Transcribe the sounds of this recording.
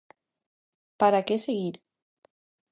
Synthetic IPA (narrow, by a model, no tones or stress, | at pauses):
paɾakeseɣiɾ